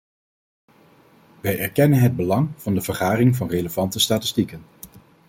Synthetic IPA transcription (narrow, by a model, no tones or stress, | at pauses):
ʋɛjɛɹkɛnənɦəd̚bəlɑŋv̥ɑndəvəɹχaːrɪŋvɑnreləv̥ɑntəstaːtɪ̥stikən